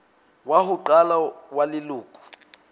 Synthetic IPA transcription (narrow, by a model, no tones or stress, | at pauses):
wahuǃalawaliluːkʰʼu̥